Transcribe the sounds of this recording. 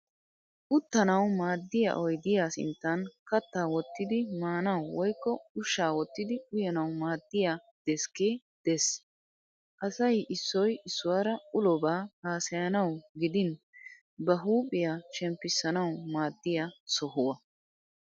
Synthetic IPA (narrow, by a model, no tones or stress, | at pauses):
ʔʊt̪ːɐnɐwmaːd̪ːɪja̰ʔɔjd̪ɪjaːsɪ̰nt̪ːɐnkɐt̪ːaːwɔt̪ːɪd̪ɪmaːnɐwwɔjkːɔʊʃːaːwɔt̪ːɪd̪ɪʊjɛnɐwmaːd̪ːɪjaː | d̪̥ɛskeː | d̪̥ɛs | ʔɐsɐjʔɪsːɔjɪsːʊwaːɾɐʊlɔbaːhaːsɐjɐnɐwɡɪd̪ɪn | bɐɦuːpʼɪjaʃɛmpːɪsːɐnɐwmaːd̪ːɪjasɔɦʊwɐ